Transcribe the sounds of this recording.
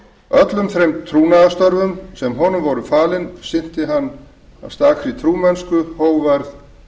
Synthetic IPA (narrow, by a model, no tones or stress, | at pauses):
œt̪lʏmθɾejmt̪ʰɾuːnaðast̪ɔɾvʏmsɛmɦɔnʏmvɔɾʏfaːlɪnsɪn̥t̪ɪɦanː | a̰ðst̪aːxɾit̪ʰɾuːmɛnskʏhoːwvaɾθ